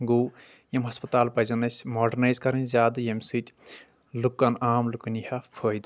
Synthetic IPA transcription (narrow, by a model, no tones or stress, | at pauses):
ɡuː | jemɦɐspɐt̪aːlpɐjzɐnɐsʲmoːɖɐnajzkɐɾinʲzʲaːd̪ɨjemsitʲ | lukːɐnaːmlukunihɐpʰoːjd̪